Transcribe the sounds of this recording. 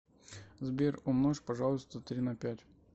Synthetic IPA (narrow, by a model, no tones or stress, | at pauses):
zbʲerɔmnoʂpɐʐɑlˠʊst̪ət̪ɾʲinɐpʲætʲ